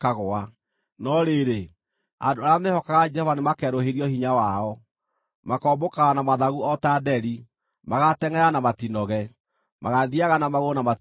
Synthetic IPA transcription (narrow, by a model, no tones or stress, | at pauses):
kaɣoa | nɔɾeɾe | adoaɾamehɔkaɣad͡ʒɛhɔvanemakɛɾoheɾiɔhiɲawaɔ | makɔmbokaɣanamaðaɣuɔtadɛɾi | maɣatɛŋɛɾanamatinɔɣɛ | maɣaðiaɣanamaɣonama